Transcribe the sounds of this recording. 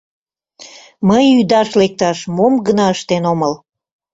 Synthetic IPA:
məjyd̪ɑʃlek̚t̪ɑʃmomɡənɑəʃt̪enoməl

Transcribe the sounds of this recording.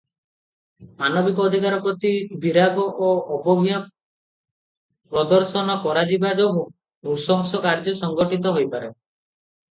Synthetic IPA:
manɔbikɔːd̪ʱikaɾɔpɾɔt̪ibʱiɾaɡɔʔːʔːbɔɡʱijɔ | pɾɔd̪ɔɾsɔnɔkɔɾad͡ʒibad͡ʒɔbu | d̪uɾsɔɦɔsɔkaɾd͡ʒɔsɔŋɡɔʈit̪̬ɔɦojpaɾe

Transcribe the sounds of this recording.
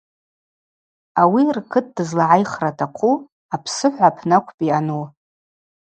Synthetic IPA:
awirkʰɨt̚ʰdɨzlaʕajχratʰaqʷʰu | apʰsɨħʷapʰnakʷʰpʼianu

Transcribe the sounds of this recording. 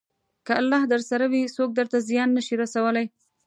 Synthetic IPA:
kəalːɑhd̪əɾsaɾawisok̚d̪əɾt̪azjɑnːəʃiɾasawəlaj

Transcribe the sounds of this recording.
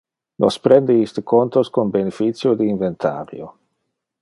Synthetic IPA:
nʔo̰spɾend̪eist̪ekont̪oskonbenefit̪sjod̪iːɱvent̪ʰa̰ːɾjo

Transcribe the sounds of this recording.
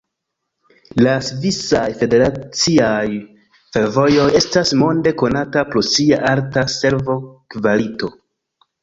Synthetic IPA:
lasvisajfe̞de̞ɾat͡siaj | fe̞ɾvo̞jo̞je̞stasmo̞nde̞ko̞natapɾosiaʔaɾtase̞ɾvo̞kvalito̞

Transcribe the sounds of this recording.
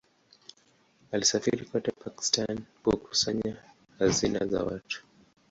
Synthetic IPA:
alisafiɾikwatɛpaki̥stankuku̥saɲa | hazina̰za̰watu̥

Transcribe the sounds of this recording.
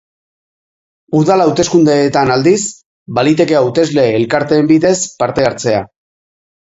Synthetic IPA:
uðalawt̪e̞skund̪e̞ːt̪anald̪is | balit̪e̞ke̞awt̪e̞zle̞ːlkaɾt̪e̞ːmbiðe̞spaɾt̪e̞aɾt͡se̞a

